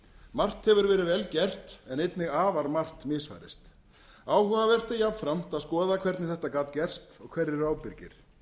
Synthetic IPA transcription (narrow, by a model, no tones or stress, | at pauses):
mar̥t̪hɛvʏɾvɛːɾɪvɛlcɛr̥t̪ɛnejt̪nɪɣaːvaɾmar̥t̪mɪːsfa̰jɾɪst̪ | aːwhœɣavɛr̥t̪ajapfɾam̥t̪aðskɔːðakʰv̥ɛɾt̪nɪθɛht̪akaːt̪cɛr̥st̪ɔɣkʰvɛɾːɪraːwpɪɾcɪ̰ɾ̥